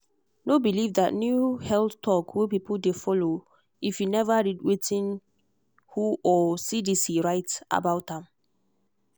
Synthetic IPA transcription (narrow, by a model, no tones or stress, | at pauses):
nobilivdatnjuhɛlθtʰɔkwepipldefɔlo | ifjunɛvadid̚wetʰĩn | huʔɔsidisiɹaɪta̰baʊtãm